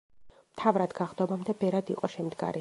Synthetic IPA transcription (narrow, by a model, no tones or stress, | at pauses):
mt̪ʰavɾad̪ɡaʁd̪ɔbamd̪ɛbɛɾad̪iqʼɔʃɛmd̪ɡa̰ɾi